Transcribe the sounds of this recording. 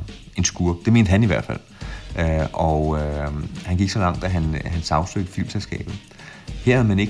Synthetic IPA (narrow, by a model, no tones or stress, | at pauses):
e̝nsɡ̥uːɐd̥e̝me̝ːnd̥hæniʋæɐ̰d̥fæl̰ | ʔɒ | hænɡ̥iɡ̥sɒ̽lɑ̈ŋ̰d̥æɦænɦænsɑ̈ʊsø̰ɡ̥d̥əfy̰lselsɡ̥ɛ̰ːb̥ð̩ˠ | heɐhæðˠmæne̝ɡ̥